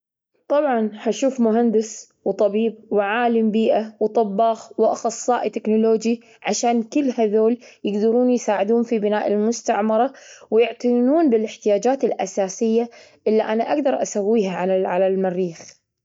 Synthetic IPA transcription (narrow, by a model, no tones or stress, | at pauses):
t̪ˤɑbʕɑnhaʃuːfmʊɦand̪ɪs | wt̪ˤɑbiːb̚wɪʕaːlɪmbiːʔawt̪ˤɑbːɑːxwʔɑxɑsˤːɑːʔt̪ɪknʊloːd͡ʒi | ʕaʃaːnkʊlːhaðoːljɪɡd̪ɑɾuːnjsaːʕɪd̪uːnfibɪnaːʔɪlmʊst̪aʕmɑɾˤɑwjɪʕt̪ɪjnuːnbɪlɪħt̪ɪjaːd͡ʒaːt̪ɪlʔa̰saːsɪjːa | ʔɪlːiʔanaʔaɡd̪ɑɾˤʔasawːiːhaʕaaʕalalmarːiːx